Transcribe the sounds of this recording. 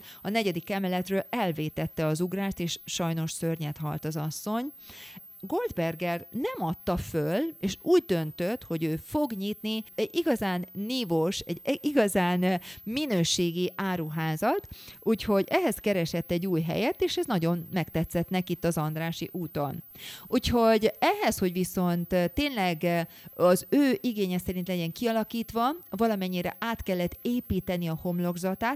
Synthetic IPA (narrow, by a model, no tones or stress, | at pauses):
ɒnɛɟɛd̪ikɛmɛlɛt̪røːlɛlveːt̪ɛt̪ːɛɒzuɡraːʃt̪eːʃʃɒjno̞ʃsørɲɛt̪hɒ̰lt̪ɒzɒsːo̞ɲ | ɡo̞ld̪bɛrɡɛrnɛmɒt̪ːɒføleːʃuːɟ̚d̪ø̞nt̪øt̪ho̞ɟøːfo̞ɡɲit̪niɛɟiɡɒzaːnːiːvoʃɛ̰ɟiɡɒzaːnminøːʃeːɡiʔaːɾuɦaːzɒt̪ʔuːcho̞ɟɛɦɛskɛɾɛʃɛt̪ːɛɟːuːjɦɛ̰jɛt̪ːeːʃɛznɒɟo̞nmɛkt̪ɛt̪sɛt̪nɛkit̪ːɒzɒnd̪raːʃḭʔuːt̪o̞nuːcho̞ɟɛɦɛsho̞ɟʋiso̞nt̪t̪ːeːnlɛɡɒzøːʔiɡeːɲɛsɛɾint̪lɛɟɛŋkiɒlɒkiːt̪ʋɒvɒlɒmɛɲːiɾɛ̰ʔaːt̪kɛlːɛt̪ːeːpiːt̪ɛniɒho̞mlo̞ɡzɒt̪aːt̪